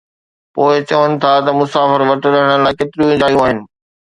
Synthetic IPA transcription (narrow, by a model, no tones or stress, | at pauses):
poːɪt͡ɕɐʋənɪ̆t̪ʰat̪ɐmʊsaːfəɾʋɐʈɪɾɐɦəɽ̃əlaːɪket̪ɪɾjũĩd̪aːijũaːɦɪnɪ̆